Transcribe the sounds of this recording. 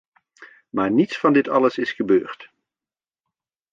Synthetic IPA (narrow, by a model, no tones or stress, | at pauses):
maːɹnitsfɑndɪtɑləsɪsχəbøːɹt